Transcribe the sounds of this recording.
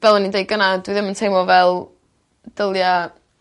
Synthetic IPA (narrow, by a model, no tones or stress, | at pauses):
b̥ɛlˠɔnidejɡənadwiðɪməntʰejmɔvɛlˠ | d̥əlˠja